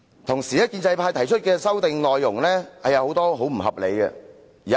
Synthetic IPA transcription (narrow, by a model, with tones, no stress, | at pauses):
t̪ʰʊ˨˩ŋsiː˨˩jɐ˥t̚kiː˧nt͡sɐ˧jpʰaː˧jt̪ʰɐ˨˩jt͡ʃʰɵ˥t̚kɛː˧sɐ˥wt̪ɪ˨ŋlɔː˨jːʊ˨˩ŋlɛː˥hɐ˨jɐ˨˧who˨˧˥wt̪ɔː˥ɦo˨˥wm̩˨˩ɦɐ˨p̚le˨jɡɛ̰˧ | iː˨˩